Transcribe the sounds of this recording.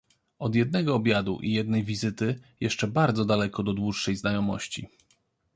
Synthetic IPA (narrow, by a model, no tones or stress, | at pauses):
ɔd̪jɛd̪̚nɛɡɔːbʲjad̪ṵʔijɛd̪nɛjvʲizɘt̪ɘjɛʂt͡ʂɛbaɾd̪zɔd̪alɛkɔd̪ɔd̪wuʂːɛjznajɔmɔɕt͡ɕḭ